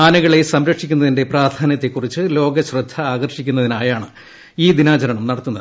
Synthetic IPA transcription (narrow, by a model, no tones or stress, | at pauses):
aːnɐɣɐɭe̞sɐmɾɐkʂikʲːunːɐðinde̞praːd̪ʱaːnjɐt̪ːekːurit͡ɕːɨlo̞ːɡɐɕrɨd̪ʱːɐaːɡɐrʂikʲːunːɐðinaːjaːɳɨ | iːd̪inaːt͡ɕɐɾɐɳɐmnɐɽɐt̪ːunːɐðɨ